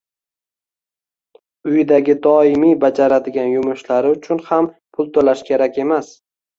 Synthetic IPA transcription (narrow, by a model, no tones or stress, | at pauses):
ʊjd̪aɡʲɪd̪ɒɪmijbad͡ʒaɾad̪ɪɡʲanjʊmʊʃlaɾɪʊt͡ʃʰʊnham | pʰʊlˠt̪ʰolaʃkʲʰe̞ɾakʲʰe̞mas